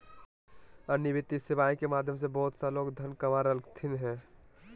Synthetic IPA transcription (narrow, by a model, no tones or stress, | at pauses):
ənjibɪt̪ːisɪʋaːĩkemaːd̪ʱjəms̬ebɔɦt̪saloːkd̪ʱənkəmaɾəlkt̪ʰinɦɛ̃ː